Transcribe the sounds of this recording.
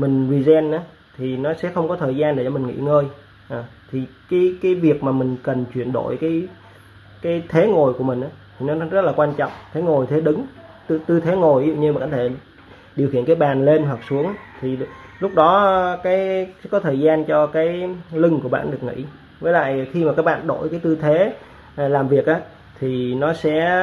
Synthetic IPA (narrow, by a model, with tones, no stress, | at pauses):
mï˨˩ŋ̟zi˨˩zɛ˧nʔaː˨˦ | t̪ʰi˨˩nɔ˨˦sɛ̰˧˥xə˧wŋ͡mkɔ˨˦t̪ʰəː˨˩jzaː˧nɗe˧˩t͡ɕɔ˧mï˨˩ŋ̟ŋḭ˧˥ŋəː˧j | ʔaː˨˩t̪ʰi˨˩kaː˨˦jkaː˨˦jvi˨˩ək̚maː˨˩mï˨˩ŋ̟kə˨˩nt͡ɕwi˧˩ənɗo̰˧˨jkaː˨˦j | kaː˨˦jt̪ʰe˨˦ŋo˨˩jku˧˩əmï˨˩ŋ̟aː˨˦t̪ʰi˨˩nɔ˨˦zə˦˥t̚laː˨˩kwaː˧nt͡ɕɔ̰˧˨wŋ͡mt̪ʰe˨˦ŋo˨˩jt̪ʰe˨˦ɗɨ˨˦ŋ˧ | t̪ɨ˧t̪ʰe˨˦ŋo˨˩jṵ˧˨ɲɨ˧mi˨kaː˧˩t̪ʰe˧˩ | ɗi˨˩əwxḭ˧˨ənkaː˨˦jɓaː˨˩nle˧nɦwa˨˩k̚su˨˦əŋt̪ʰi˨˩lʊ˦˥k͡p̚ɗɔ˨˦kaː˨˦jkɔ˨˦t̪ʰəː˨˩jzaː˧nt͡ɕɔ˧kaː˨˦jlɨ˧ŋku˧˩əɓa̰ː˧˨nɗɨ˨˩ək̚ŋḭ˧˥ | vəː˨˦jla̰ː˧˨jxi˧maː˨˩kaː˦˥k̚ɓa̰ː˧˨nɗo̰˧˩˨jkaː˨˦jt̪ɨ˧t̪ʰe˨˦ | laː˨˩mvi˨˩ək̚ʔaː˨˦ | t̪ʰi˨˩nɔ˨˦sɛ̰˧˥